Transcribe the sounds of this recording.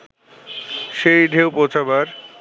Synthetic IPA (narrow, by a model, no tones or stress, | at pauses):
ʃejɖʱewpot͡ɕʰabaɾ